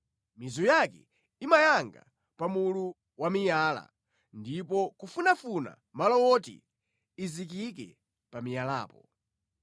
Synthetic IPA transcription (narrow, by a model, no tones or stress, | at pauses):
mizujakɛ̰ | imajaŋɡa | pamulu | wamijaːla̰ | ndipɔkufunafuna̰ | malɔwɔtḭ | izik̬ik̬ɛ̰ | pamijala̰ːpɔ